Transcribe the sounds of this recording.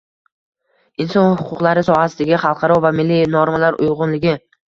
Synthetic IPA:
ɪnsɒnhhʊqʰʊqlˠaɾɪsɒhasɪd̪aɡʲɪχɑlˠqʰɑɾɒvamɪlːinɒɾmalaɾʔʊ̰jʁʊnlɪɡʲɪ

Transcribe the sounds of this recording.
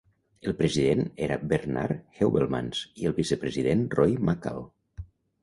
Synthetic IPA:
elˠpɾəziðeneɾabeɾna̰ɾxewβelˠma̰nsielˠβisəpɾəziðenrɔjmaka̰lˠ

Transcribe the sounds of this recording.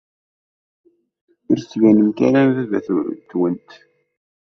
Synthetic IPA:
iɾsʝænəmkæɾæmðævæ̰θt̪wənt̪

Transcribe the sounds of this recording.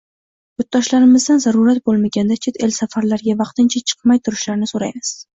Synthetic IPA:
jʊt̪̚d̪ɒʃlaɾɪmɪzd̪anzaɾuɾat̪̚bolˠmaɡʲand̪at͡ʃʰet̪ʰe̞lsafaɾlaɾɡʲavɑqt̪ɪnt͡ʃʰat͡ʃʰɨ̥qmajt̪ʰʊɾɪʃlaɾnɪsoɾajmɪz̥

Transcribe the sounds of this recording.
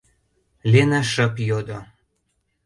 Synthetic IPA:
lʲenaʃə̆pjod̪o

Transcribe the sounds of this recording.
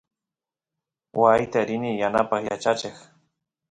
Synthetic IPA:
wajt̪aɾɪnijanapaχja̰t͡ʃat͡ʃɪχ

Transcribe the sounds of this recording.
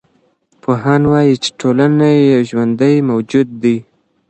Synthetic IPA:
pʰoɦɑnwɑjit͡ʃe̥ʈʰolanajawʒwand̪əjmawd͡ʒud̪ːi

